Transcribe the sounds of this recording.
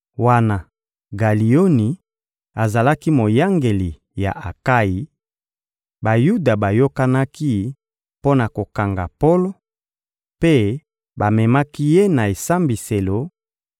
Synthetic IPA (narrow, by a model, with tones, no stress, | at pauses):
wa˦na˨ | ɡa˨li˨o˦ni˨ | a˨za˨la˦ki˦mo˨ja˦ŋɡe˨li˨ | ja̰˨ʔa˨ka˦ji˨ | ba˨ju˦da˨ba˨jo˦ka˦na˦ki˦ | po˦na˨ko˨ka˨ŋɡa˨po˦lo˦ | pe˦ | ba˨mɛ˨ma˦ki˦je˦na˨e˨sa˦mbi˨se˨lo˨